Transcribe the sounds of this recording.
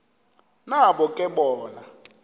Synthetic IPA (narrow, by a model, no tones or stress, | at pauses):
naɓɔkʼɛɓɔːna